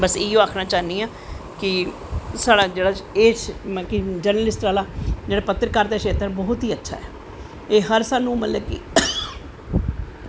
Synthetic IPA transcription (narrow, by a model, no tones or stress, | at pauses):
bəsɪõːaːkʰnaːt͡ʃaːniːaː | kɪ | saːɽaːd͡ʒeːɽaːeːkɪd͡ʒəɾnəlɪsʈɾaːlaːd͡ʒeːɽaːpət̪ːɾkaɾt̪eːʃeːt̪əɾbɔːʊt̪ɦiːətːʃʰa̰ːɛ̰ː | eːɦəɾsaːnũːmət̪ləbkɪ̰